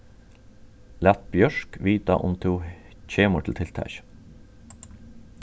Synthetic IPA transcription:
læt̪̚bjœʃkʋiːt̪ɑ̰ʔʊmt̪ʰuː | c͡çeːmʊʈʰɪl̩t̪ʰɪlt̪ʰæ̰ç

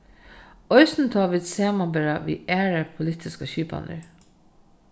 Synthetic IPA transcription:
œʏsn̩t̪ʰɑːʋɪd̪seːmɑbɛɹaʋḭːʔæːɹəpʰʊlɪt̪ʰɪskəɕyːpɑ̰nə̰ɹ

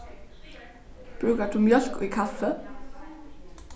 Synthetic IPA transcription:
b̥ɾʉːkəd̪̥ʉːmjœlkːiːkʰɑfə

